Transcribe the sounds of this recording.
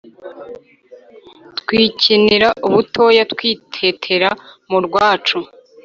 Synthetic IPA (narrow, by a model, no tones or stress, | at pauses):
tkwiciniɾaʔuβutʰo̞jatkwiːtʰe̞tʰe̞ɾamuɾɡwaːt͡ʃu